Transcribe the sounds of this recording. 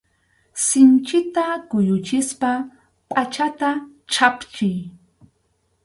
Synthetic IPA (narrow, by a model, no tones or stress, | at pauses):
sɪnt͡ʃɪt̪akʊjʊt͡ʃɪspa | pʼat͡ʃat̪a | ʈ͡ʂʰapt͡ʃɪj